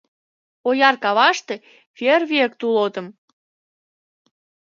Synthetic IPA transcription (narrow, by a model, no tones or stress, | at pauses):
ojɑrkɑβɑʃt̪e̽ | fʲerβʲiek̚t̪ulot̪ə̆m